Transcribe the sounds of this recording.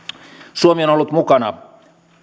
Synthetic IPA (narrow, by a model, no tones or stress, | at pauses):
suomionolːut̪mukɑnɑ̰